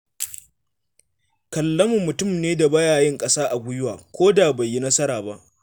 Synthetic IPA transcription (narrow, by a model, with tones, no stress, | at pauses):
kɐ˨lːɐ˦mʊ˨mːʊ˨tʊ˦˨mneː˦da˨bɐ˦jaː˨jɪ˦ŋkʼɐ˦saː˦ʔa˨bʷʊ˦jʊ˦waː˨kʷoː˦da˨ba˨jːi˦nɐ˦sɐ˦ɾaː˨ba˦ʔ